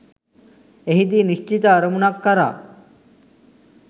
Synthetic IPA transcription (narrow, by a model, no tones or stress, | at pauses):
eɦid̪iːniʃt͡ʃit̪aɾəmunakːɐɾa̰ː